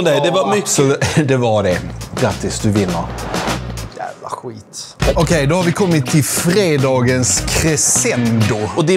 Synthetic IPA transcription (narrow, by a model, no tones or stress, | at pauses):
d̪ɛd̪ɛvamʏkːəd̪ɛvɑɾɖɛɡ̥ɾat̪ːɪsd̪ɵvɪnːəɾ | jæ̰ːvla̰ɧiːt̪ | ɔkʰɛjd̪ɔhaɾvɪkʰɔmːɪt̪ʰːɪlfɾeːd̪ɑːɡənskʰɾɛsɛnd̪ʊɔd̪ɪ